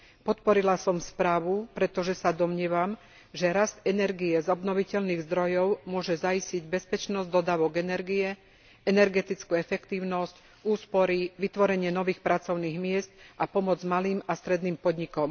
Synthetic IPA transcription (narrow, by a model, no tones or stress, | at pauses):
pɔt̪pɔɾilasɔmspɾaːʋupɾɛt̪ɔʒɛsad̪ɔmɲɪɛʋam | ʒɛɾast̪ɛnɛɾɡiɛzɔbnɔʋicɛlniːɣzd̪ɾɔjɔʊmʊɔʒɛzaisciɟbɛspɛt͡ʃnɔzd̪ɔd̪aːʋɔɡɛnɛɾɡiɛ | ɛnɛɾɡɛt̪it͡skuːɛfɛkt̪iːʊnɔsc | uːspɔɾiʋit̪ʋɔɾɛɲɪɛnɔʋiːxpɾʔat͡sɔʊniːɣmɪɛst̪̚apɔmɔd͡zmaliːmast̪ɾɛd̪niːmpɔd̪ɲikɔm